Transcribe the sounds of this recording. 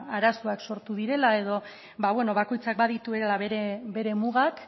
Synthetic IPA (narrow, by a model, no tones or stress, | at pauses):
aɾasoakso̞ɾt̪uðiɾe̞lae̞ðo̞ | baβwe̞no̞βako̞jt͡sak̚baðit̪ueɾelaβeɾebe̞ɾe̞muɣak